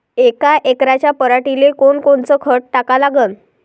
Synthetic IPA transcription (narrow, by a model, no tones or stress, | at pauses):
ekaʔekɾat͡ɕjapəɾaʈilekoɳkoɳt͡səːkʰəʈʈakalaɡən